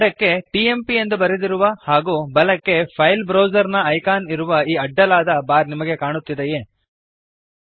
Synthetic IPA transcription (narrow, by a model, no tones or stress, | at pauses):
lɐkːe̞ʈiːe̞mpiend̪ubɐɾed̪iɾuʋɐhaːɡuːbɐlɐkːe̞pʰɐjlbɾɐːwd͡ʒɐɾnɐɐjkaːniɾuʋɐiːɐɖːɐlaːd̪ɐbaːɾnimɐɡe̞kaːɳut̪ːid̪ejeː